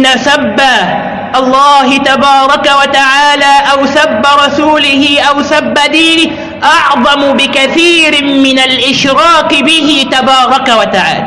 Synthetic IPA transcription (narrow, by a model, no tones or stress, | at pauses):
nːasabːa | ʔɑlˤːɑːɦɪt̪abɑːɾˤɑkawat̪aʕaːlaːʔawsabːaɾˤɑsuːlɪhɪʔawsabːad̪iːnɪ | ʔɑʕðˤɑmʊbɪkaθiːɾmɪnalʔɪʃɾɑːqɪbɪɦɪt̪abɑːɾˤɑkawat̪aʕa̰ːla